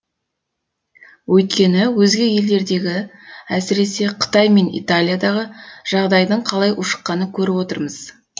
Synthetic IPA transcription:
wʔɵjt̪̚kʲe̞nɪwɵzɡʲɪje̞ld̪e̞ɾd̪e̞ɡʲɪæsɪɾe̞se̞qʰə̥t̪ɑjme̞nḭt̪alʲijad̪ɑʁəʒ̥ɑʁd̪ɑjd̪əɴqʰɑlˠɑjʔʊʃə̥qːɑnəkʲʰɵɾɪpwo̞t̪əɾməz̥

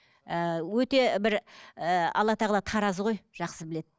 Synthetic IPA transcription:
əwɵt̪e̞bɪɾəɑ̰lˠːɑt̪ʰɑʁəlˠɑt̪ʰɑɾɑzəʁo̞jʒ̥ɑqsəbɪle̞d̪ɪ

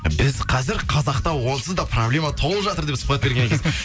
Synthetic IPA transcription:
bɪzqʰɑzɪɾqʰɑzɑqt̪ɑwo̞nˠəsəzd̪ɑproblʲe̞mat̪ʰo̞lˠəpʒɑt̪əɾd̪e̞psʊ̥χpɑt̪̚be̞ɾɡʲe̞nkʰʲz

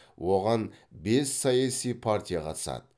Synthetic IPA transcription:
wʔo̞ʁɑnbe̞sːɑjɑsijpʰart̪ʲijaqʰɑt̪ə̥sɑ̰d̪ə

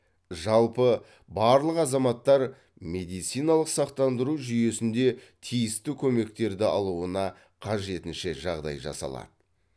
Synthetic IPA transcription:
ʒɑlˠpə | bɑɾlˠəqɑzɑmɑt̪ːɑɾ | me̞d̪ijt̪sijnɑlˠəqsɑqt̪ɑnd̪əɾuʒʏje̞sɪnd̪e̞t̪ʰijɪst̪ɪkʲʰɵme̞kt̪e̞ɾd̪ɪɑlˠuənɑ | qʰɑʒe̞t̪ɪnʃe̞ʒɑʁd̪ɑ̰jʒɑ̰sɑ̰lˠɑ̰d̪̥ə

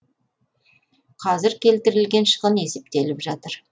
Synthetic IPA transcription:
qʰɑzɪɾkʲʰe̞lt̪ɪɾɪlɡʲe̞nʃə̥ʁəne̞se̞p̚t̪e̞lɪpʒɑt̪əɾ

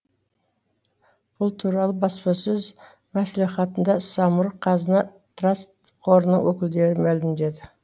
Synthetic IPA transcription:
b̥ʊlˠt̪ʰuɾɑlˠəbɑspɑsɵz | mæsleχɑt̪ənd̪ɑsɑmʊɾqʰɑzənɑt̪rast̪ | qʰo̞ɾənə̰ŋwɵkʲɪld̪e̞ɾɪmælɪmd̪e̞d̪ɪ

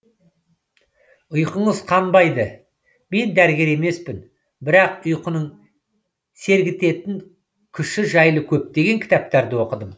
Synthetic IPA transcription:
ʊjqəɴəzqʰɑnbɑjd̪ə | me̞nd̪æɾɡʲe̞ɾe̞me̞spɪn | bɪɾɑqʊjqənəɴ | se̞ɾɡʲɪt̪e̞t̪ɪŋ | kʲʰʏʃɪʒɑjlˠəkʲʰɵp̚d̪e̞ɡʲe̞ŋkʲʰɪ̥t̪ɑp̚t̪ɑɾd̪əwo̞qəd̪əm

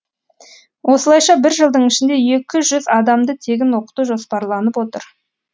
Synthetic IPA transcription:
wʔo̞səlˠɑjʃɑbɪɾʒəlˠd̪əɴɪʃɪnd̪e̞je̞kʲɪʒʏzɑd̪ɑmd̪ət̪ʰe̞ɡʲɪnwo̞qə̥t̪uʒo̞spɑɾlˠɑnəpwo̞t̪əɾ

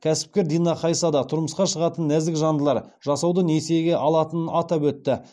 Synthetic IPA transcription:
kʲʰæsɪ̥p̚kʲe̞ɾd̪ijnɑqʰɑjsɑd̪ɑt̪ʰʊɾməsqɑʃəʁɑt̪ənːæzd̪ɪkʒɑnd̪əlˠɑɾ | ʒ̥ɑsɑwd̪ənese̞ɡʲe̞ʔɑlˠɑt̪ənɑt̪ɑpwɵt̪ːɪ

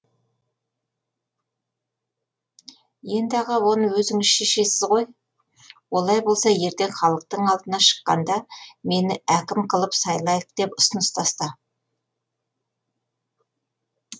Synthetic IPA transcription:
je̞nd̪ɪɑʁɑwo̞nəwɵzɪŋɪzʃe̞ʃe̞sɪzʁo̞j | wo̞lˠɑjbo̞lˠsɑje̞ɾt̪e̞nχɑlˠəq̚t̪əɴɑlˠd̪ənɑʃə̥qːɑ̰nd̪ɑme̞nɪækʲɪmqʰəlˠəpsɑjlˠɑjəq̚d̪̥e̞pʊsənəst̪ʰɑst̪ɑ

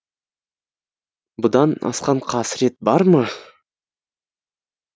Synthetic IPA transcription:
bʊd̪ɑnɑ̰sqɑɴqʰɑsɾe̞t̪̚bɑɾmə

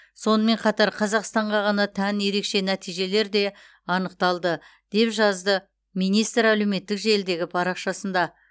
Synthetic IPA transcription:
so̞nəme̞ɴqʰɑt̪ɑɾqʰɑzɑqst̪ɑɴʁɑʁɑnɑt̪ʰænje̞ɾe̞kʃe̞næt̪ijʒe̞le̞ɾd̪e̞ | ɑnəqt̪ɑlˠd̪ə | d̪̥e̞pʒɑzd̪ə | mijnijst̪ɾælewme̞t̪ːɪkʒe̞ld̪e̞ɡʲɪpʰɑɾɑqʃɑsənd̪ɑ

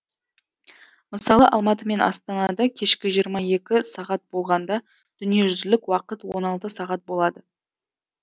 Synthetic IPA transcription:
məsɑlˠəʔɑlˠmɑt̪̬əme̞nʔɑ̰st̪ɑnɑd̪ɑkʲʰe̞ʃkʲɪʒijəɾmɑje̞kʲɪsɑʁɑt̪̚bo̞lˠʁɑnd̪ɑ | d̪̥ʏnije̞ʒʏzɪlɪkwɑqət̪wo̞nɑlˠt̪əsɑʁɑt̪̚bo̞lˠɑd̪ə

